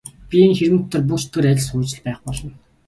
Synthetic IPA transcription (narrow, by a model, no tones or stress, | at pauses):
pʲieŋxeɾɘ̆mɘ̆t̪ʰːə̆rp̬ukt͡ɕt̪ʰɵ̆ːɾæɪ̆ɮsuːt͡ɕɪ̆ɮpæːχpɔɮɞ̆n